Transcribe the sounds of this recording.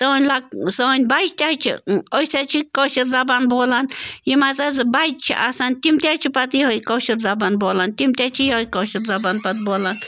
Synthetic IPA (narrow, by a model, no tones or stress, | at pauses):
t̪oonʲlak̚sonʲbat͡ʃt̪ʲaht͡ʃʰḭojsat͡ʃʰikoʃiɾzabanbolanjimazaz̬ɨbat͡ʃʰḭʔasant̪ʲimt̪ʲat͡ʃʰipat̪jihojkoʃiɾzabanbolant̪ʲimt̪ʲat͡ʃʰijhojkoʃitzabanpat̪̚bolan